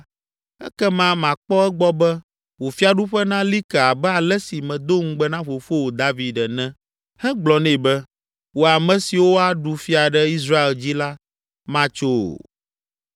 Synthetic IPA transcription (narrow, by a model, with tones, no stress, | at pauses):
ɛ̰˦kɛ˦mã˦mã˨k͡pɔ˦ɛ˦ɡ͡bɔ˦bɛ˦ | wo˨fi˦a˨ɖu˦ɸɛ˦nã˦li˦kɛ˨a˨bɛ˦a˨lɛ˦si˨mɛ̃˨d̪o˦ŋ̩˦ɡ͡bɛ˦nã˦ɸo˨fo˦wo˨d̪a˦vi˨ɖɛ˨nɛ̃˦ | hɛ̃˦ɡ͡blɔ˨nɛ̃˦˨bɛ˦ | wo˨a˨mɛ̃˨si˨wo˦a˦ɖu˨fi˦a˨ɖɛ˦i˦s̬ɾa˦e˨ld͡ʑi˦la˦ | mã˦t͡ʃo̰˦˨